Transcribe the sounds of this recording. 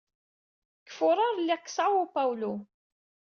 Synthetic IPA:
kːə̥fʊɾˤɑɾˤlːiqːə̥sˤʕawʊpawlu

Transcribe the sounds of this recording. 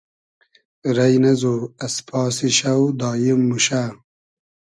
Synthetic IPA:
ɾɐjnɐzoɐspʰɑːsiɕɐwd̪ɑːjimːuɕaː

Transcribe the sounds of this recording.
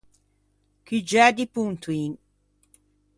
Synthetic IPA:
kid͡ʒɛd̪ipunt̪uin

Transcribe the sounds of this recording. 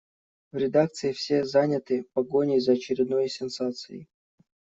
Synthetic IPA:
vɾʲɪd̪ak̚t̪sɨɪfsʲezanʲət̪ɨpɐɡonʲɪjzəɐt͡ɕɪɾʲɪd̪no̞jsʲɪnsat̪sɨɪ̰

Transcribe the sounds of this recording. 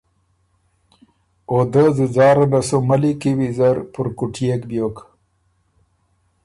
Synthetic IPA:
od̪əzuzɑːɾanasomalikiwizaɾpuɾkuʈʰijekbjoːk

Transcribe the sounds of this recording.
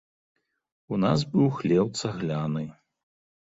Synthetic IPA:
unazbɨwxlʲɛwt̪sɐɣlʲanɨ

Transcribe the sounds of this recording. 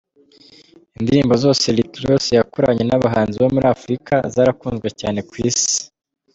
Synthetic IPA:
indiɾiːmbo̞zo̞ːse̞likɾjo̞ːse̞jakuɾaɲe̞naβaɦaːnziβo̞muɾaːfɾikazaːɾakuːnzɡwecaːne̞kwiːsi̥

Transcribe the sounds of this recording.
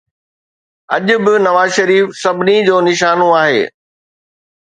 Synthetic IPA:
ɐ̰ʄʊ̆bɪnɐʋaːzʃɐɾiːfsɐbʱɪnid͡ʑoːnɪʃaːnoaːɦḛː

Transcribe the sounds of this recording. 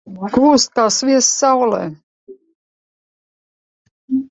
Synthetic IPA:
ɡuːst̪̚kaːsviɛsːawlɛ̰ː

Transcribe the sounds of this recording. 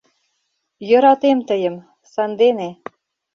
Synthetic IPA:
jɤ̆ɾɑt̪emt̪əjə̆m | sɑnd̪ene

